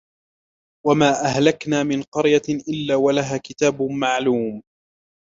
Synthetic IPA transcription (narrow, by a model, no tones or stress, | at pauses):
wamaːʔahlaknaːmɪnqɑɾjaʔɪlːaːwalaɦaːkɪt̪aːbmaʕluːm